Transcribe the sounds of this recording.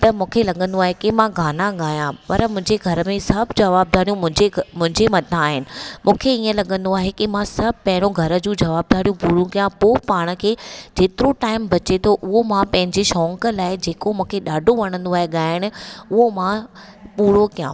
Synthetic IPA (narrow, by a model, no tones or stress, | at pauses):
t̪ɐmũːkʰelɐɠə̃nd̪oaːɦekimãɡʱaːnãɠaːjãpɐɾmʊ̃ɦɪ̃ɲd͡ʑeɡʱɐɾə̆mẽsɐbʱd͡ʑɐʋaːb̚d̪ʱaːɽijũmʊ̃ɦɪ̃d͡ʑemʊ̃ɦɪ̃ɲd͡ʑemɐt̪aaːɦɪnɪ̆mũːkʰeiːə̃lɐɠə̃nd̪oaːɦekimãsɐb̚ʱpɐ̃ɦɪ̃ɽ̃oɡʱɐɾə̆d͡ʑũːd͡ʑɐʋaːb̚d̪aːɽijũpuːɽjũkijãpoːpaːɽ̃ə̆kʰeːd͡ʑeːt̪ɪɾoʈaːɪmbɐt͡ɕet̪ʰoʔʊɦomãpɐ̃ɦɪ̃ɲd͡ʑeʃɔːŋkəlaːɪd͡ʑeːkomũːkʰeɗaːɖʱoʋɐɽ̃ə̃nd̪oaːɦeɠaːɪɽ̃ʊ̆ʊɦomã | puːɽokijã̰ː